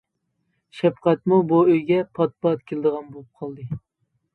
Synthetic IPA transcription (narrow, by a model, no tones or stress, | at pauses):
ʃɛpqæt̪mubuøjɡʲɛpʰɑt̪̚pɑt̪̚kʲʰelɪd̪əʁɑnbolˠup̚qʰɑlˠd̪ɨ